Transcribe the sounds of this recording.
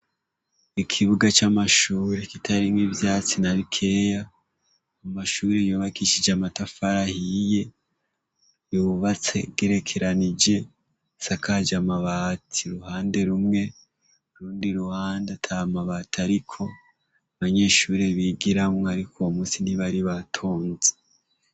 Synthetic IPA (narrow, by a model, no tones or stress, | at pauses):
ikʰiβuɡat͡ʃamaʃuːɾekitʰaɾimŋivjaːt͡sinaβikʰe̞ːjaː | maʃuːɾejuβakiʃid͡ʒamatafaɾahije̞ | juβat͡se̞̰ɡ̥eɾe̞kʰe̞ɾanid͡ʒe̞ | sakʰad͡ʒamaβaːtʰiɾuhaːnde̞ɾumŋe̞ | uɾuːndiɾuhaːndatʰaβamaβatiaɾikʰo̞ | aβaɲe̞ːʃuːɾe̞βiɡiɾamŋoaɾikʰomuːsiniβaɾiβatʰo̞ːnze